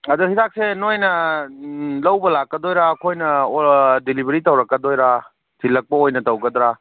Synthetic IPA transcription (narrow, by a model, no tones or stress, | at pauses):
ɐduhidak̚senojnɐ | lɐwbɐlakːɐdojɾaːkʰojnɐ | dilibʱɐɾitɐwɾɐkːɐdojɾa | tʰilːɐk̚pɐojnɐtɐwɡɐd̪ɾa